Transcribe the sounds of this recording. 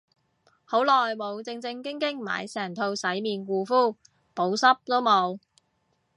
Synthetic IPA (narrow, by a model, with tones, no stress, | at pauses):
ho˨˥wlɔː˨˩jmo˨˧wt͡sɪ˧ŋt͡sɪ˧ŋkɪ˥ŋkɪ˥ŋma̰ː˨˧jsɛː˨˩ŋt̪ʰo˧wsɐ˨˥jmiː˨nkuː˧fuː˥ | po˨˥wsɐ˥p̚t̪o˥wmo˨˧w